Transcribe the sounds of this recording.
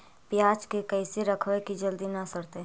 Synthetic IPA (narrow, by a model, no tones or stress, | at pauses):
pjaːd͡ʒkekɐɪseɾɐkʰʋekid͡ʒɐld̪inɐsɐɾt̪eɦ